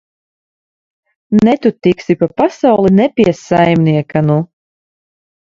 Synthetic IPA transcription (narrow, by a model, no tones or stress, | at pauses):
nɛt̪ut̪iksipapasawlˠinɛpʲiɛsajmnʲiɛkanu